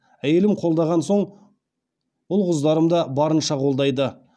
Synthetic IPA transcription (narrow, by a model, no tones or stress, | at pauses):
æje̞lɪmqʰo̞lˠd̪ɑʁɑnso̞ɴ | ʊlˠʁʊzd̪ɑɾəmd̪ɑbɑɾənʃɑqʰo̞lˠd̪ɑjd̪ə